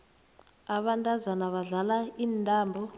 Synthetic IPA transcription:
aɓantʼazanaβaɮalaiːntʼaːmbʱɔ

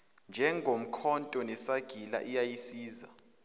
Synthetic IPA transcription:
nd͡ʒʱɛŋʱom̩kʰɔntʼɔnɛsaɡ̥ʱila̰ʔijajisiːza̰

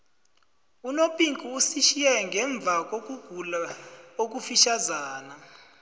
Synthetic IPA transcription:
unopʼiŋkʰʼuːsiʃijɛŋɡʱɛɱb̪vʱak̬ʼok̬uɡ̥ʱulaok̬ʼufiʃazaːna

